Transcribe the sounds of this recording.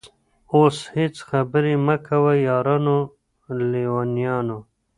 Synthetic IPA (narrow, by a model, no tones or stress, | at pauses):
oːshit͡sxabəɾimakʰawajɑːɾano | liwanijɑːno